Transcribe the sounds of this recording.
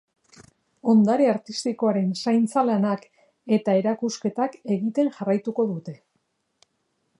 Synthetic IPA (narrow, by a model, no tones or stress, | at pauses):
o̞nd̪aɾiaɾt̪ist̪iko̞aɾe̞nsajnt͡salanak | e̞t̪ae̞ɾakuske̞t̪ake̞ɣit̪e̞ŋʝarajt̪uko̞ðut̪e̞